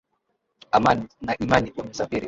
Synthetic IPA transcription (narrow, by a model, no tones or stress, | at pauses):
amannaʔimaniʔam̩safiɾi